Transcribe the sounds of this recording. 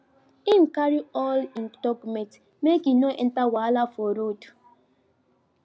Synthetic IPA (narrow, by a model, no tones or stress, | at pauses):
ĩnkaɹiɔlĩntɔkmɛ̃t | mekinõʔɛ̃ntawalafɔɾod